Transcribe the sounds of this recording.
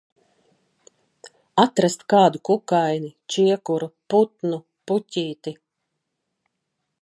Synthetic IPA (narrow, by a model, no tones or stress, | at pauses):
at̪ɾast̪kaːd̪ukukajnit͡ʃiɛkuɾuput̪nu | pucʲiːt̪i